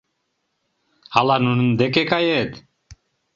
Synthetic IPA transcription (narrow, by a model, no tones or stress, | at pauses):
alanunnd̪ekekajet̪